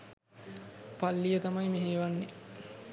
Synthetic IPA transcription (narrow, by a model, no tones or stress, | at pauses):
palːijət̪amajmeɦeːʋanːe